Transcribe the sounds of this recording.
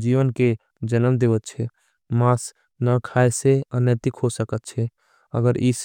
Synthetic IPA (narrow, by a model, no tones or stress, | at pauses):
d͡ʒiʋənke | d͡ʒənəmd̪eʋət̪̚t͡ʃʰɛ | mãs | nakʰaeseənjət̪ɪkɦosəkət̪̚t͡ʃʰɛ | ə̰ɡəɾis